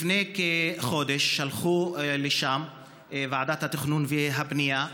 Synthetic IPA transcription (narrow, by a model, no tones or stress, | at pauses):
fnekeχo̞d̪eʃːalχuleʃam | vaʕad̪at̪hat̪iχnunviɦabnia